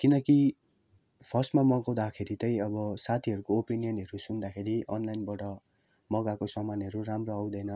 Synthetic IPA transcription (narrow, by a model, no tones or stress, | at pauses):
kinʌki | pʰʌsmamʌɡaw̃d̪akʰeɾit̪ʌj̃ʌbʌsat̪ʰiɦʌɾukoopinijʌnʌɾusund̪akʰeɾiʔʌnlajnbʌʈʌ | mʌɡakosʌmanɦʌɾuramroaw̃d̪ʌjnʌ